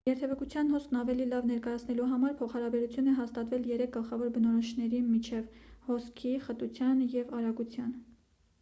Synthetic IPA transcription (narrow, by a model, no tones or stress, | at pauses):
jɛɾt̪ʰɛvəkut͡sʰjɑnhɔskʰnɑvɛlilɑvnɛɾkɑjɑt͡sʰnɛluɦɑmɑɾpʰɔχɑɾɑbɛɾut͡sʰjunɛɦɑst̪ɑt̪vɛljɛɾɛk̚ʰɡəlχɑvɔɾbənɔɾɔʃnɛɾimit͡ʃʰɛvhɔskʰiχət̪ut͡sʰjɑnjɛvɑɾɑɡut͡sʰjɑn